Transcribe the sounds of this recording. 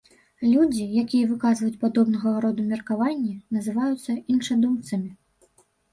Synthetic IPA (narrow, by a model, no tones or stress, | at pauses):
lʲud͡zʲijakʲijɐvɨkazvɐjut͡sʲpad̪ɔbnɐɣɐɾɔd̪umʲɛrkavanʲːɛnɐzɨvajut̪sːɐinʂɐd̪umt̪sɐmʲi